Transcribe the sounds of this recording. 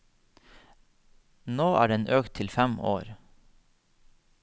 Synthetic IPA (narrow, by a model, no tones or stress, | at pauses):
noːʔæ̰ːɖɛnʔøːkt̪ʰɪlfɛmo̰ːɾ